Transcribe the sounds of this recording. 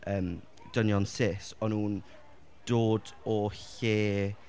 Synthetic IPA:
ʔəːm | d̥ənjɔnsɪsɔnhuːn | d̥oːd | ɔɬeː

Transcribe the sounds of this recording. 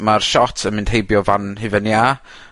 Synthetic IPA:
marʃɔtʰənmɪ̃nd̥hejbjɔvanhɨvɛnːia

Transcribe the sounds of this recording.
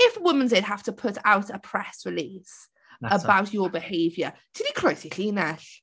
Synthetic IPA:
ɪfwʊmə̃nzed̚ɦaftəpʰʊtʰawtəpʰɹ̥ɛsvɪliːs | əbawtəbɪheɪvjətʰɪdikʰɹ̥ojsiɬiːnɛɬ

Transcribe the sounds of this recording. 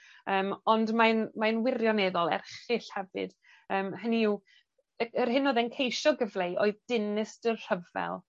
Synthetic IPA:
əːmɔndmanmajnwɪrjɔnɛðɔlˠɛ̰rχɪɬhɛvɨ̰d̥ | əːmhəniw | əərɦɨnoːðɛnkʰejʃɔɡəvlˠejʔoːɨðd̥ɪnɪsd̥ərr̥əvɛ̰lˠ

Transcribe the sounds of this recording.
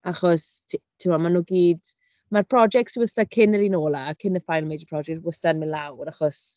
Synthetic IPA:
aχɔstʰtʰɪmɔmanuːɡiːd | marpʰr̥ɔd͡ʒɛk̚tsiwəstakʰɪnəɾinoːlˠakʰɪnəfajlˠmejdəpʰr̥ɔd͡ʒɛk̚twəstanmɪnlawraχɔs

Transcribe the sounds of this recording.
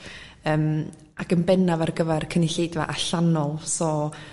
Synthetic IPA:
əːm | aɡənbɛnavarɡəvɛrkʰənɪɬejdva̰ʔaɬanɔlˠsɔ

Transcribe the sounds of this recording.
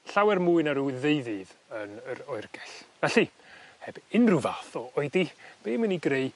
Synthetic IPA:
ɬawɛrmuːɨnaɾuðeɨðɨðənəɾɔɨrɡ̥ɛɬvɛɬi | hɛb̥ɪnrʊvaθɔʔɔɨdib̥eːməniɡreɨ

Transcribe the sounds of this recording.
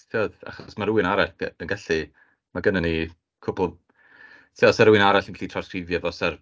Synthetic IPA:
tʰiɔða̰χɔsmaɾuɨnaɾaɬpənɡaɬi | maɡənani | kʰʊblˠ | tʰiɔsaɾuɪnaɾaɬənɬiːtʰrɔskrɪvjɔvɔsar

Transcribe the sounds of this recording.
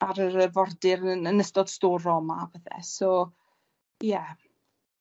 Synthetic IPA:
aɾəɾəvɔrdɪɾəənəstɔd̥stoːrɔmavəθɛ̰so | jɛ

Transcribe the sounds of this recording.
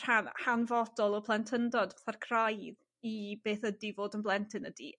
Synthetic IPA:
r̥hanhanvɔdɔlˠɔpʰlˠɛntʰəndɔdaθarkʰrajð | ib̥eːθədivoːdənblˠɛntʰɪnədḭ

